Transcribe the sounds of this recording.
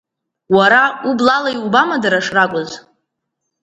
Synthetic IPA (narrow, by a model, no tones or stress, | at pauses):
waɾaublalajubamadaɾaʂrakʷʼʊz